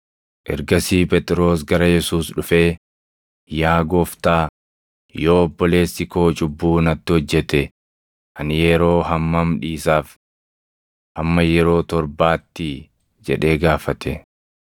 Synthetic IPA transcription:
ʔɛ̰ɾɡɐsiːpɛt̪ʼɾo̞ːsɡɐɾɐjɛsuːsᶑʊfe̞ː | jaːɡɔft̪aː | joːɔbːɔle̞ːsːɪko̞ːt͡ʃʼʊbːuːnɐt̪ːɪhɔd͡ʒːɛt̪ɛ | ʔɐnjɛɾo̞ːɦɐmːɐmᶑiːsaːf | hɐmːɐjɛɾo̞ːt̪ɔɾbaːt̪ːɪ | d͡ʒɛᶑe̞ːɡaːfɐt̪ʰɛ

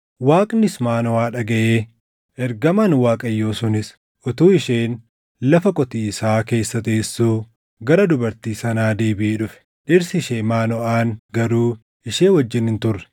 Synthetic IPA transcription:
waːkʼnɪsmaːnɔaːᶑɐɡɐʔeː | ʔɛɾɡɐmɐnwaːkʼɐjːo̞ːsʊnɪs | ʔɔt̪uːɪʃeːn | lɐfɐkʼɔt̪iːɪsaːke̞ːsːɐt̪eːsːuː | ɡɐɾɐd̪ʊbɐɾt̪iːsɐnaːd̪e̞ːbɪʔeːᶑʊfɛ̥ | ᶑɪɾsɪʃeːmaːnɔʔaːnɡɐɾuː | ɪʃeːwɐd͡ʒːɪnhɪnt̪ʊrːɛ̥

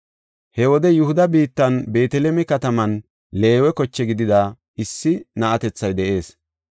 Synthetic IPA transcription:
hɛwɔd̪ɛjʊhʊd̪ɐbiːt̪ːɐnbe̞ːt̪ɛlemɛkɐt̪ɐmɐn | le̞ːwɛkɔt͡ʃːɛɡɪd̪ɪd̪aː | ɪsːɪnɐʔɐt̪ɛt͡sːɐjd̪ɛʔe̞ːs

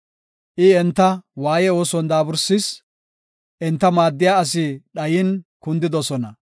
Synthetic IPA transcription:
ʔɪɛnt̪ːɐwaːjɛo̞ːsɔnd̪aːbʊɾsɪs | ʔɛnt̪ːɐmaːd̪ːɪjaːɐs̬ɪɗɐjɪnkʊnd̪ɪd̪ɔsɔnɐ

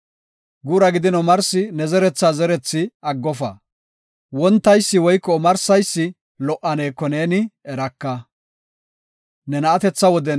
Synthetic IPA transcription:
ɡuːɾɐɡɪd̪ɪnɔmɐɾsɪnɛzɛɾɛt͡sːaːzɛɾɛt͡sːɪɐɡːɔfɐ̰ | wɔnt̪ːɐjsːɪwɔjkːɔmɐɾsɐjsːɪ | lɔʔɐneːkːɔne̞ːnɪɛɾɐkːɐ | nɛnɐːt̪ɛt͡sːɐwɔd̪ɛ

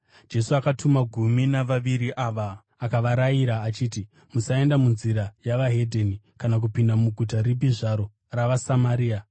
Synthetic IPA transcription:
d͡ʒe̞suakatʰumaɡʱuminaʋaʋiɾiʔaːʋa | akaʋaɾajiɾaːt͡ʃiːti | musae̞ndamunziɾajaʋaɦe̞dʱeni | kanak̬upindamuɡʱutaɾibiʐaɾo̞ | raʋasamaɾiːa

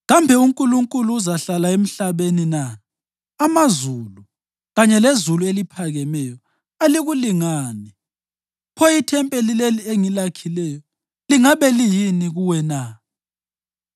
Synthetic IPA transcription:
ɣambʱɛuŋkʼuluŋkʼuluːzaɬalaem̩ɬaβeninaː | mazulu | ɣaɲɛlezuluelipʰaɣɛmɛjɔ | aliɣuliŋaːni | pʰɔjitʰɛmpʼelilelieŋilakʰilɛjɔ | liŋaβɛlijiniɣuwɛna

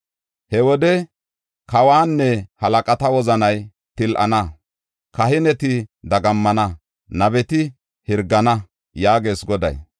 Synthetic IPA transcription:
hɛwɔd̪ɛ | kɐwaːnːɛhɐlɐkʼɐt̪ɐwɔzɐnɐj | t̪ɪlʔɐ̰nɐ | kɐɦɪnɛt̪ɪd̪ɐɡɐmːɐnɐ | nɐbɛt̪ɪ | hɪɾɡɐnɐ | jaːɡe̞ːsɡɔd̪ɐ̰j

